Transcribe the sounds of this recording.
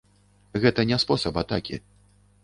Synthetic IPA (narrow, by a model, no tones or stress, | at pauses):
ɣɛt̪ɐnʲɛspɔsɐpat̪akʲḭ